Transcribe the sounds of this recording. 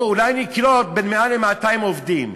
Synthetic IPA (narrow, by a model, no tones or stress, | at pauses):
ulajniklɔt̪̚bɛnmealemat̪ajɪmɔvdim